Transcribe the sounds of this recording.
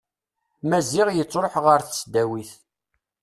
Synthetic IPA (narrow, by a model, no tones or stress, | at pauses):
mæziʁjət͡sːɾoħʁəɾθə̥sd̪æwiθ